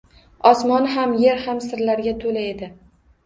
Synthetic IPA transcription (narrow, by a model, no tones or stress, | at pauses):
ɒsmɒnɦamje̞ɾhamsɪɾlaɾɡʲat̪ʰolae̞d̪ɪ